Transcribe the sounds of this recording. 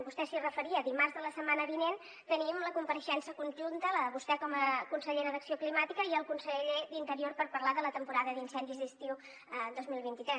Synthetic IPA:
bust̪ɛsirəfəɾiəðimarzðələsəmanəβinen | t̪ənimləkumpəɾəʃɛnsəkunʲʒunt̪ələβust̪ɛkɔməkunsəʎeɾəðəksioklimat̪ikəiəlˠkunsəʎed̪int̪əɾiorpəɾpəɾlaðələt̪əmpuɾaðəðinsɛnd̪izðist̪iu | əd̪ozmilˠβ̞int̪it̪ɾɛ

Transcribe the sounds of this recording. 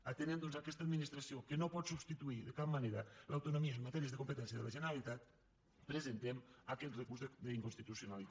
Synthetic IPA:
at̪enend̪onzakɛst̪ad̪minist̪ɾasiokenopɔt̪subst̪it̪uiðekap̚maneɾalawt̪onomiamːat̪ɛɾiezðekompət̪ɛns̬jəðelaʒeneɾalit̪at̪̚ | pɾezent̪emakɛt̪rekuɾzðd̪eiŋkunst̪it̪usjonalit̪

